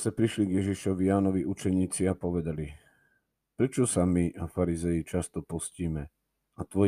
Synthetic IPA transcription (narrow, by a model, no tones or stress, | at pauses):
sɛpɾiʃliɡjɛʒiʃɔʋijaːnɔʋiʔut͡ʃɛɲiːt͡siapɔʋɛd̪ali | pɾɛt͡ʃɔsamiʔafaɾizɛjit͡ʃast̪ɔpɔsciːmɛ | at̪ʋɔ